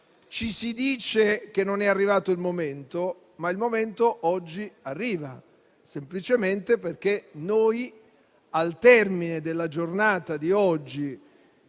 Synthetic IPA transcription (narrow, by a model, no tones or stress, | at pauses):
t͡ʃisid̪iːt͡ʃek̟enːonɛarːivaːt̪oilmoment̪o | mailmoment̪oʔɔd͡ʒːiarːiːva | semplit͡ʃement̪eperk̟enoj | alt̪ɛrmined̪elːad͡ʒornaːt̪ad̪iɔd͡ʒːi